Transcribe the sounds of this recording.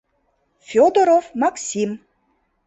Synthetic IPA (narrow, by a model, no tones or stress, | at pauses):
fʲod̪oɾovmaksʲim